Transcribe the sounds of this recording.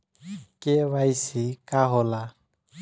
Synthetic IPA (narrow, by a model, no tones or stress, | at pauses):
kewajsikaɦɔla